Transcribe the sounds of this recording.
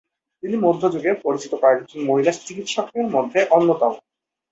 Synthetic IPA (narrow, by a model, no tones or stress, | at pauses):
t̪inimod̪ʱːod͡ʑuɡeɾpoɾit͡ɕit̪okɔɾekkʰinmoɦilat͡ɕikit̪ʃɔkeɾmod̪ʱːeʔɔnːot̪ao